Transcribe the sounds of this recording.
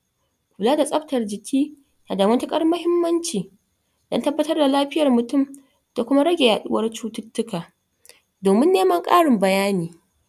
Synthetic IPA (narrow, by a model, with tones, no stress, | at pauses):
kʷu˨laː˦da˨sʼɐ˦btɐ˨rd͡ʒɪ˨kʲʰiː˦ | na˨daː˨mɐ˦ntɐ˦kʼɐ˦rmɐ˦hɪ˦mːɐ˦nt͡ʃiː˨ | d̥ɔ̰˦ntɐ˦bːɐ˦tɐ˦rda˨laː˦ɸɪ˦jɐ˨rmʊ˨tʊ˦˨m | d̥a˨kʷʊ˦ma˦ɽɐ˦ɡʲe˨jaː˨ɗʊ̰˦wɐ˦rt͡ʃuː˦tʊ˦tːʊ˦kaː˨ | doː˨mɪ˦nːeː˦mɐ˦ŋkʼa̰ː˦ɽɪ˨mbɐ˨jaː˦niː˨